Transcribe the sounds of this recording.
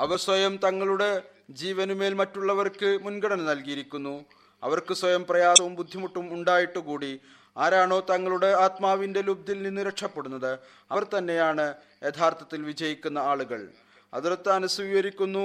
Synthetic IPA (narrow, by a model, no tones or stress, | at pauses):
ɐʋɐrswɐjɐmt̪ɐŋːɐɭuɽe̞ | d͡ʑiːʋɐnume̞ːlmɐtːuɭːɐʋɐrkɨmunɡɐɽɐnɐnɐlkijiɾikʲːunːu | ɐ̰ʋɐrkɨswɐjɐmprɐjaːsɐʋumbud̪ʱːimuʈːumuɳɖaːjiʈːukuːɽi | aːɾaːɳo̞ːt̪ɐŋːɐɭuɽe̞aːt̪maːʋinde̞lub̚d̪ilninːɨɾɐkʂɐpːe̞ɽunːɐðɨ | ɐʋɐrt̪ɐnːe̞jaːɳɨ | e̞t̪ʰaːrt̪ɐt̪ːilʋid͡ʑɐjikʲːunːɐaːɭuɣɐɭ | ɐ̰ðuɾɐt̪ːɐɐnusʋiːjɐɾikʲːunːu